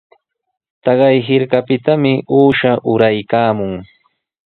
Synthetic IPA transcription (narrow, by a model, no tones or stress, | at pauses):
t̪ɑɢɑjɦɪɾkapɪt̪amɪʔuːʃaʔʊɾajkaːmʊŋ